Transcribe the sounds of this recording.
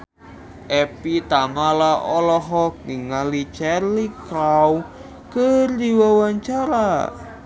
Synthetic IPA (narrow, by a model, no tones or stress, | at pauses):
ʔɛpit̪amalaʔɔlɔɦɔk̚niŋalit͡ʃɛrliklaw | kərd̪iwawaɲt͡ʃaɾa